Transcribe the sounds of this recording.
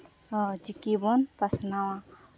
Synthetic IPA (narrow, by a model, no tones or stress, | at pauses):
d͡ʒikibɔnpasnawã